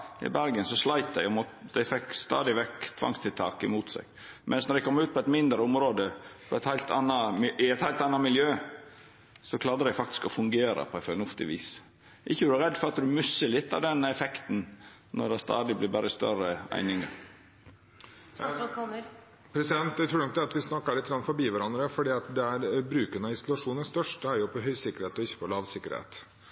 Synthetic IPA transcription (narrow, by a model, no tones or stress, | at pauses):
ɪ̰bæɾɡənsɔslɑɪt̪d̪æɪɡɔmɔt̪d̪æɪfɛkːst̪ɑ̰ːd̪ɪʋɛkːt̪ʰʋɑ̰ŋst̪ʰɪlt̪ʰɑːkəmuːt̪sɛ̰ɡ | mʔɛ̰nsnɔd̪ɛɪkʰɔmːɾʉːt̪̚pʰɔɛt̪mɪnd̪ɾəʊmɾoːd̪əpʰɔɛt̪hæɪlt̪ɑ̰nːɑmʔɪɛt̪hæɪlt̪ɑnːɑmɪljøː | sɔkʰlɑːɾd̪əd̪æɪfɑk̚t̪ɪ̥skɔfʉŋɡeːɾə̰pʰɔɛfœnʊft̪ɪ̰ʋḭːs | ʔɪçːəd̪æɾɛd̪ːfɔɾɑt̪d̪ʉmʉsːəɭɪt̪ːɑʋd̪ɛnːɛfɛkt̪n̩ | nɔd̪ɛst̪ɑ̰ːd̪ɪblɪɾbæɾəst̪œ̰ɾəæ̰ɪnɪŋə | pʰɾɛsɪd̪ɛnt̪d̪æɪt̪ɾuːɖ̪nɔk̪̚d̪ɛɑt̪ʋɪsnɑkːɑɭɪt̪ːɡɾɑnfɔɾbiːʋæɾɑnd̪ɾəfɔɖiːɑt̪d̪ɛæɾbɾʉːkənɑɪsʊlɑʂuːnənst̪œʂʈəæɾjʊpʰɔɦœʏsɪkːəɾheːt̪ɔɪçːə̥pʰɔlɑːʋsɪkːəɾhḛːt̪